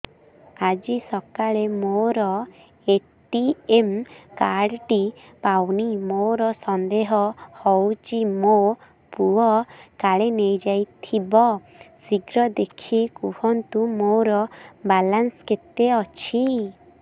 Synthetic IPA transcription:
ad͡ʒisɔkaɭemoɾɔ | e | ʈiemkaɖʈi | pawnimoɾɔsɔnd̪eɦɔhɔwt͡ʃimo | puɔkaɭenejd͡ʒajt̪ʰibɔ | siɡɾɔd̪ekʰikuhɔnt̪umoɾɔbalansket̪eɔt͡ʃʰi

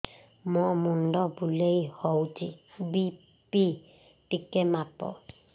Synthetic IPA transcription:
mɔmũn̩dɔbuleihɔutibi | pi | tikemapɔ̰

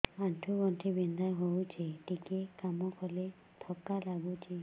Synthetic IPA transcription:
aʈʰuɡɔnʈʰibind̪aɦowt͡ʃʰiʈikekamɔkʰɔle | t̪ʰɔkalaɡut͡ʃʰi

